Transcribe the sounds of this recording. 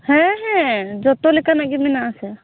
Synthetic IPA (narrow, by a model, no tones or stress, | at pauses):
hɛ̃ɦɛ̃d͡ʒɔt̪ɔlikanaɡiminaːsɛ